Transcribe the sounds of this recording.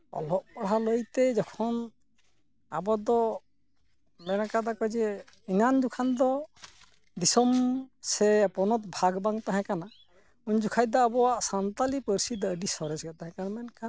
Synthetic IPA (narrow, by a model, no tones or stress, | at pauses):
ɔ̰lɔʔpɔɽɦaləjt̪ɛd͡ʒɔkʰɔn | a̰bɔd̪ɔ | mɛnakad̪akɔd͡ʒɛinand͡ʒukʰand̪ɔ | d̪isɔmsɛpɔnɔt̪̚bʱaɡbaŋt̪aɦɛ̃kana | uɲd͡ʒukʰajd̪ɔːbɔwaʔsant̪alipəɾsid̪ːɖisɔɾɛsɡat̪aɦɛ̃kanmɛnkʰa